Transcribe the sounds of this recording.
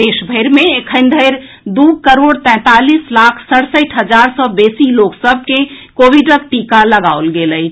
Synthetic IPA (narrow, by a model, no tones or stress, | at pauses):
d̪eːʃbʱəɪɾmẽkʰə̃ɪ̃nd̪ʱəɪɾ | d̪uːɡ̚kəɾoːɽt̪ɛ̃ːt̪aːliːslaːkʰsəɽsəʈʰɦəd͡ʒaːɾsɔbeːsiloːksəbʱkekoːʋiɖək̚ʈiːkaləɡaːolɡelə